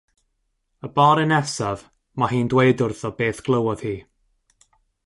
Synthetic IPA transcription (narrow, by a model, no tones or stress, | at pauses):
əbɔːɾɪnɛsav | maɦiːndwejdʊrθɔbeːθɡ̥lˠəwɔð̥hiː